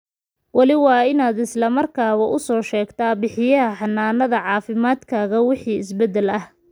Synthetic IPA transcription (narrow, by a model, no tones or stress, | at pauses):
wɑlɪwɑːɪnaːd̪ɪslɐmɐrkʰaːɣɐʔʊsɔːʃɛːɡt̪ʰaːbɪħɪjɐɦɐħɑnːaːnɐðɐʕɑːfɪmaːd̪kʰaːɣɐwɪħiːɪsbɛd̪ːɛlɐh